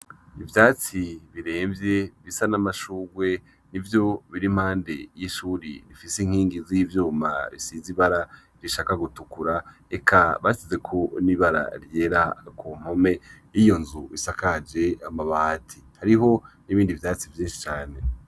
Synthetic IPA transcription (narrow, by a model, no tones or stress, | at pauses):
ivjaːt͡siβiɾe̞ːmvje̞βisanamaʃuːɡwe̞ | nivjo̞βiɾim̥haːnde̞jiʃuːɾḭɾifiseiŋ̥hiːŋɡizivjuːma̰βḭsiːziβaɾa | ɾiʃaːkaɡutukuɾa | ekʰaβasize̞kʰo̞niβaɾa̰ɾje̞ːɾakʰuːm̥ho̞me̞jijo̞nzuisakad͡ʒe̞amaβatʰihaɾiɦo̞niβiːndivjaːt͡sivjiːnʃi̥t͡ʃaːne̞